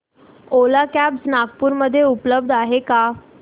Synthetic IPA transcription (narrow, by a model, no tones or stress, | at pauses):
olakæbsnaɡpuːɾməd̪ʱːjeupləb̚d̪ʱaɦeka